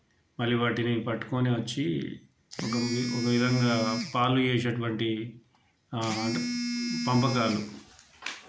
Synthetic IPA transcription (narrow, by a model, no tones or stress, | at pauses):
mɐlːiʋaːʈinipɐʈːu̥koːniʋɐt͡ʃːi | ɔkɐɔkɐʋid̪ʱɐŋɡaːpaːlud͡ʒeːsɐʈuʋɐɳʈi | pɐmpɐkaːlu